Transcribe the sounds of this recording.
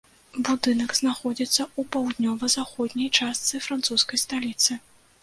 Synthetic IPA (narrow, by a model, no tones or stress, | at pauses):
bud̪ɨnɐɡznaxɔd͡zʲit̪sːɐupawd̪nʲɔvɐzaxɔd̪ʲnʲɐjt͡ʂast̪sɨfɾant̪suskɐjst̪alʲit̪sɨ